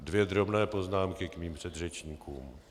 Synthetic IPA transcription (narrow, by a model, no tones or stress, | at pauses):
dvjɛd̪ɾo̞bnɛːpo̞znaːmkɪkmiːmpr̝̥ɛd̪rɛt͡ʃɲiːkuːm